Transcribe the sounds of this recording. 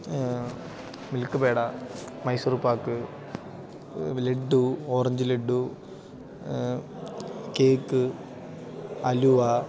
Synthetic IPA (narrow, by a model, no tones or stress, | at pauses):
milkːɨbe̞ːɽɐ | mɐjsurupːaːkːɨ | leɖːuoːrɐɲd͡ʑɨleɖːu | keːkːɨ | ɐlua